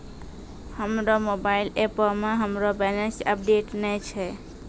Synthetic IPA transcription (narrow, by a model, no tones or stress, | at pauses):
həmɾomobailepəmeɦəmɾobɛnesəp̚ɖeʈnɛt͡ʃʰɛ